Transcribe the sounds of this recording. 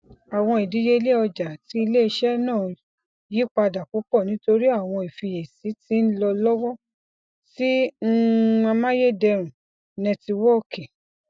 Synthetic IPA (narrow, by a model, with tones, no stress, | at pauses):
a˨w̃ɔ̃˧i˨di˨˦je˦i˧le˦ɔ˧d͡ʒa˨ti˨˦i˧le˦i˧ʃɛ˦nãː˦˨ | ji˦k͡pa˧da˨ku˨˦k͡pɔ˦˨nĩ˨˦to˧ɾi˦a˦˨w̃ɔ̃˧i˨fi˧e˨si˨˦ti˨˦n̩˦lɔ˧lɔ˦wɔ˦ | ti˦˧ | ã˧mã˦je˦˨dɛ˧ɾ̃ũ˨ | nɛ̃˧ti˧wɔ˦˨ke˨